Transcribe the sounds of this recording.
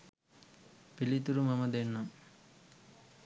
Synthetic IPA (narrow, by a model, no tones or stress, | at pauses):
pilit̪uɾumɐmɐd̪enːɐ